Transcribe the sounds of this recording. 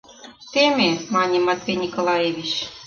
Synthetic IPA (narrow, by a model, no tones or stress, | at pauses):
t̪emʲemɑnʲemɑt̪vʲenʲikolˠɑjeβʲit͡ɕ